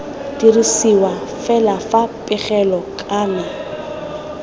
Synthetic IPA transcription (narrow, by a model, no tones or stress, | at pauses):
d̥irisiwafɛlafapʼɪχɛlɔkʼaːmɪ